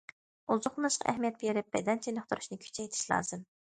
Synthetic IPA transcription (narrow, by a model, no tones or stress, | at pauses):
uzʊqnɨʃqʰɑ̰ʔæɦmijɛt̪̚bʲeɾɪp̚bɛ̰d̪ɛnt͡ʃʰenɨχt̪uɾu̥ʃnɨkʲʰy̥t͡ʃʰɛjt̪ʰɪ̥ʃlˠɑ̰ːzɨm